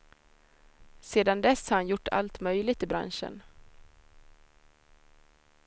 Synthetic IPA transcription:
seːd̪and̪ɛshaːɾhanjʊʈːa̰lt̪mœjlɪɡ̚t̪ɪbɾa̰nʂə̰n

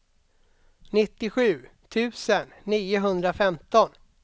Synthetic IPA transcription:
nɪt̪ːɪɧʉ̟ːt̪ʰʉ̟ːsənːiːʊɦɵnd̪ɾafɛmt̪ɔn

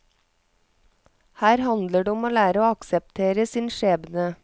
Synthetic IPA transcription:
hæːɾhɑnd̪ləɖeːɔmoːlæːɾəoːɑksəp̚t̪ʰeːɾəsiːnʃeːbnə

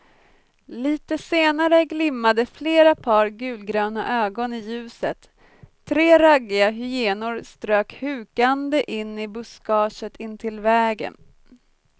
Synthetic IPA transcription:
liːt̪əseːnaɾəɡlɪmːad̪əfleːɾapʰɑːɾɡʉ̟ːlɡɾœːna̰ʔøːɡɔnɪjʉ̟ːsət̪ʰː | ɾeːɾaɡːɪaɦʏjeːnʊɾst̪ɾøːkhʉ̟ːkand̪əʔɪnːɪbʊskɑːʂət̪ʰɪnt̪ʰɪlvɛːɡə̰n

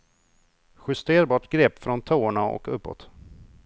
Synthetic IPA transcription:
ɧɵst̪eːɾbɑːʈɡɾɛpːfɾɔnt̪ʰoːɳaɔ̰kɵpːɔ̰t̪

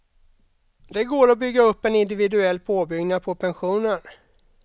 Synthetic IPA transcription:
d̪ɛɡoːɾɔbʏɡːaɵpːɛnɪnd̪ɪvɪd̪ɵɛlːpʰoːbʏɡnapʰɔpʰɛnɧuːnən

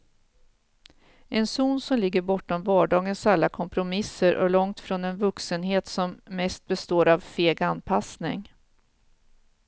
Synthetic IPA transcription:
ɛnsuːnsɔmlɪɡːəɾbɔʈːɔmvɑːɖɑːɡənsalːakʰɔmpɾʊmɪsːəɾʔɔ̰lɔŋt̪fɾɔnɛnvɵksənɦeːt̪sɔmːɛst̪̚bɛst̪oːɾavfeːɡanpʰasnɪ̰ŋ

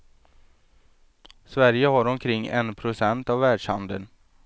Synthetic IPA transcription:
svæɾjəɦaɾɔmkʰɾɪŋːɛ̰npʰɾʊsɛnt̪avːæːɖʂhand̪ə̰n

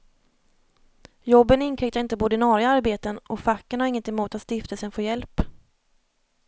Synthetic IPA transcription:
jɔbːənɪnkʰɾɪkt̪aɾɪnt̪əpːd̪ɪnɑːɾɪaaɾbeːt̪ənʔɔfakːənhaɾɪŋːənt̪ɪmuːt̪at̪st̪ɪft̪əlsənfoːjɛlp

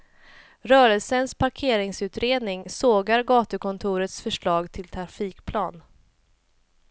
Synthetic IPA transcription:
ɾœːɾəlsənspʰaɾkʰeːɾɪŋsʉ̟ːt̪ɾeːd̪nɪŋsoːɡaɾɡɑːt̪ɵkʰɔnt̪ʰʊːɾət̪sfœʂɭɑːɡt̪ʰɪlt̪ʰɾafiːkpʰlɑːn

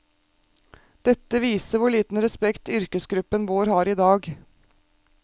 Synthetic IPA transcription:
d̪̥ɛt̪ːəʋiːsəʋʊɭiːt̪n̩ɾɛspɛkt̪ʏɾkəsɡɾʉpːənʋoːɾhɑːɾiːd̪ɑːɡ

